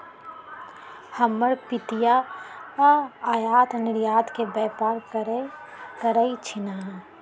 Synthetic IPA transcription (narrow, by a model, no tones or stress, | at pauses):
həməɾpɪt̪ija | aːjaːt̪nɪɾjaːt̪kebɛːpaːɾ | kəɾəit͡ʃʰɪnaːn